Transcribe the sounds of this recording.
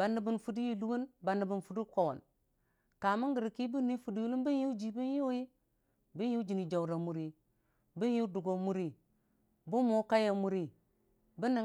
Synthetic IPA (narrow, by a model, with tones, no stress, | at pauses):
ba˨nːi˨bi˨nfu˨di˦ji˨lu˦wu˦nba˨nːi˨bi˨nfu˨du˦ko˨wo̰˨n | ka˨mu˦ɡi˨ɾi˨ki˦bu˦ni˦fu˨di˦ju˦lu˦bi˦ju˦d͡ʒi˨bi˦n˦ju˦ji˦ | bi˦nju˦d͡ʒi˨ni˨d͡ʒa˨wɾa˨mu˨ɾi˨ | bi˦n˦ju˦du˨ɡo˨mu˦ɾi˨ | bu˦mo˦ka˦ja˨mu˦ɾi˦ | bi˦ni˨